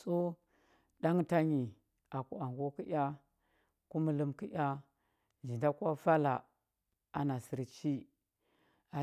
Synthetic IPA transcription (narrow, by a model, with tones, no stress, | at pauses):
so˦ | ɗa˦ŋta˦ɲi˨ | a˨ku˨a˨ŋ˨ɡo˦ki˦ʔʲa˦ | ku˦mə˦lə˦mki˦ʔʲa˦ | d͡ʒi˨nda˦ku˦a˦fa˦la̰˨ | a˨na˨si˨ɾt͡ʃi˦ | a˨